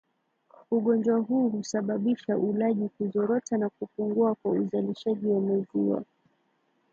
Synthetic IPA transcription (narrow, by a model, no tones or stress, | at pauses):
uɠɔnd͡ʒwaɦuːhusaɓaɓiʃaʔulaʄikuzɔɾɔtanakupuŋɡuakwauzaliʃaʄiwamaziwa̰